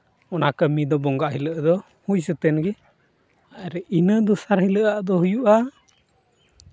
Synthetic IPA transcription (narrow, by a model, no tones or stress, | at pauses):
ɔnakəmid̪ɔbɔŋɡaʔɦiləʔd̪ɔ | hujsət̪ɛnɡɛ | aɾɛʔinəd̪ɔsaɾhiləʔaʔd̪ɔhujuʔa